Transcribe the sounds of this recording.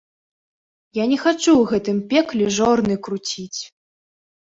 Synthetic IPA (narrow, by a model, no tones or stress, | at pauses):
janʲɛxat͡ʂuwɣɛt̪ɨmpʲɛklʲɛʐɔrnɨkɾut͡sʲit͡sʲ